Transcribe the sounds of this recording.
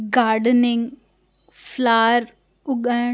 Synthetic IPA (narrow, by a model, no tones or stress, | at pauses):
ɡaːɾɖənɪŋɡ | fʰlaːɾ | ʊɡa